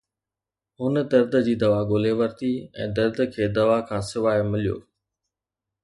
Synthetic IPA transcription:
ɦʊnə̆d̪ɐɾd̪əd͡ʑiːd̪ɐʋaɡoːleʋɐɾt̪iɛ̃ːd̪ɐɾd̪ʱkʰeːd̪ɐʋakʰãːsɪʋaːɪmɪlijo̰ː

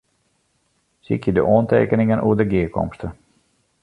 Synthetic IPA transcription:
sḭkjədəʔoəntḛːkənɪŋənʔuədəɡiəkɔ̰mstə

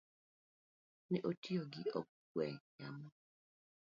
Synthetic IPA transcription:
nɛʔotʰioɡɪɔk̚ | wɛjamɔ

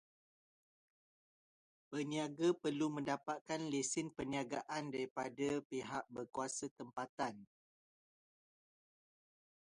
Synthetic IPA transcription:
pəniaɡapərlumə̃ndapat̪̚kanlesɪnpəniaɡaʔandaɾipadapiɦaʔ̚bərkuasat̪əmpat̪an

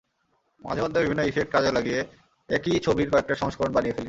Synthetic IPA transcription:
ma̰d͡ʑʱemɔd̪ʱːobibʱinːoifek̚ʈ̚kad͡ʑelaɡije | ekit͡ɕʰobiɾkɔek̚ʈaʃɔŋʃkoɾonbanijefeli

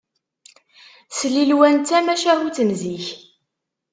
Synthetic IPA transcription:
slilwænt̪ːæmæʃæhut͡sənziç

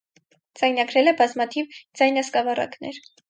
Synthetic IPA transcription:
d͡zɑjnɑɡɾɛlɛbɑzmɑt̪ʰivd͡zɑjnɑskɑvɑrɑ̰knɛɾ

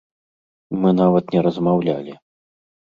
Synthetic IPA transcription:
mɨnavɐt̪nʲɛɾɐzmawlʲa̰lʲi

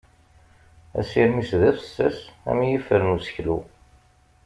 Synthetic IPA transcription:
æ̰siɾmisðæθə̥sːæ̰sæ̰mijəfːəɾənusə̥çlu

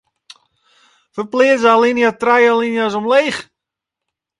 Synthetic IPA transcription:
fəplɪəzəalinjatrajalinjas̬ɔmleːχ

